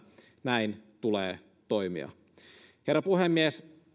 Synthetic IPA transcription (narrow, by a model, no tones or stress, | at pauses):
næint̪uleː | t̪oimḭɑ̰ | herːɑpuhemːies